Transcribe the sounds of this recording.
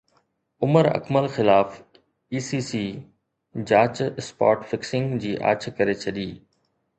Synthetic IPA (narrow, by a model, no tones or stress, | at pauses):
ʊməɾɐ̰kməlxɪlaːf | iːsiːsiː | d͡ʑaːt͡ɕɪspa̰ːʈfɪksɪ̃ŋɡd͡ʑiːʔa̰ːt͡ɕʰkɐɾet͡ɕʰɐɗiː